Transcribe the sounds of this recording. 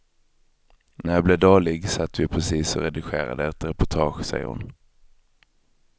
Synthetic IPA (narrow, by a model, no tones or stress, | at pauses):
næɾjɑblɛːd̪oːlɪɡsat̪ːvɪpʰɾɛsiːsɔɾɛd̪ɪɧeːɾa̰d̪əɛt̪ɾɛpʊʈʰɑːɧsɛ̰jə̰ɾhʊ̰n